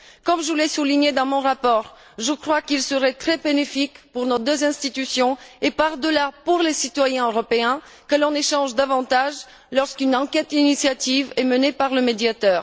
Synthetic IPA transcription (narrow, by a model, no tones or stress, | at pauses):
kɔmʒulɛsuliɲed̪ɑ̃mɔ̃ʁapɔʁ | ʒəkχwakilsəʁɛt̪χɛbenefikpuʁnod̪øzɛ̃st̪it̪ysjɔ̃epaʁd̪əlapuʁlesit̪wajɛ̃øʁɔpeɛ̃ | kəlɔ̃neʃɑ̃ʒd̪avɑ̃t̪aʒ | lɔʁskynɑ̃kɛt̪inisjat̪ivɛmənepaʁləmed̪jat̪œːʁ